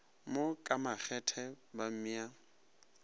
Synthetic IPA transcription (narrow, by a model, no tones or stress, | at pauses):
mokʼamak͡xʰɛtʰɛ | bam̩ia